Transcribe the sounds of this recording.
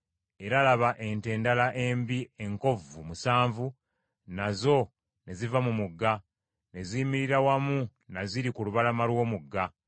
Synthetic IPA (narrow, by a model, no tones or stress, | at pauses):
e̞ɾalaβaʔe̞nte̞ːndalaʔe̞mbie̞ŋko̞vumusaːɱvu | nazo̞ | ne̞zivamumuɡːa | ne̞ziːmiɾiɾawamunaziɾikuluβalamalwo̞ːmuɡːa